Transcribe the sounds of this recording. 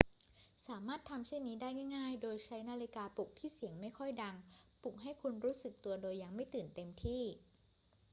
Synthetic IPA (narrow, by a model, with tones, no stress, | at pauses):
saː˩˦maː˥˩t̪ʰːa˧mt͡ɕʰi˥˩ŋniː˦˥daː˥˩jŋa˥˩jŋaː˥˩jdoː˧jt͡ɕʰa˦˥jnaː˧li˧˥kaː˧pu˨˩k̚t̪ʰiː˥˩si˨˩˦əŋma˥˩jkʰɔ˥˩jda˧ŋpu˨˩k̚ɦa˥˩jkʰu˧nɾuː˦˥sɯ˨˩k̚t̪u˧ɐdoː˧jːa˧ŋma˥˩jt̪ɯː˨˩nt̪e˧mt̪ʰiː˥˩